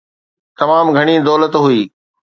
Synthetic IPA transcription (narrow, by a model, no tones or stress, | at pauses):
t̪ɐmaːmɡʱɐɽ̃id̪ɔːlət̪ɦʊiː